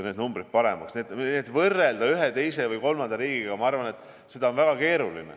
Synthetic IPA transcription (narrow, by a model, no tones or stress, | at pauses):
ned̪numbɾid̪̚pɑɾe̞̰mɑksneːd̪neːt̪ːˑvɤrːe̞ld̪̥ɑyɦet̪e̞jse̞vɯjko̞lmɑnd̪̥ɑɾiːɡ̥iɡɑmɑɑrvɑnet̪ːˑ | se̞d̪ɑonvæɡ̥ɑke̞ːɾulḭnḛ